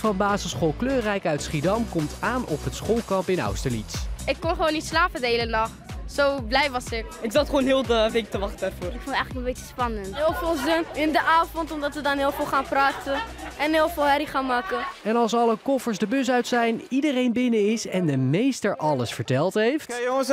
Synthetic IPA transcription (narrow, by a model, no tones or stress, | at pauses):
fɑnbaːzəsχolˠkløːrɛjkœɥtsχidɑmkɔmtaːnɔpɦətsχolˠkɑmpɪnɑ̰wstəlitsɪkːɔnχəʋoːnːitslaːpədəɦejlənɑχtsowblɛjʋɑsɪkɪkz̥ɑtχʋownɦɪːlˠtəʋek̚təʋɑχtəarvʊːɾɪkfʊntɛjələkməbet͡ʃəspɑnəntɦɪːlˠfɪːlˠzənɪndəʔaːfɔntɔmdɑtʋədɑnɦɪːlˠfɪːlˠχaːnpraːtəɛnɦɪːlˠfɪːlˠɦɛɾiχaːnmaːkəɛnɑlˠsɑləkɔfəɹsdəbøs̬œɥtsɛjnidərejnbɪnəɪsɛndəmejstəɹʔɑləsfəɹtɛlˠtɦejft